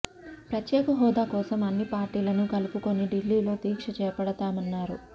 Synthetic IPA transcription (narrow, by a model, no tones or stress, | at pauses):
pɾɐt̪jɛːkɐɦɔːd̪aːkɔːsɐmɐnːipaːɾʈiːlɐnukɐlupuko̞nːiɖilːiːlo̞ːt̪iːkʂɐt͡ʃɛːɐpɐɽɐt̪aːmɐnːaːɾṵ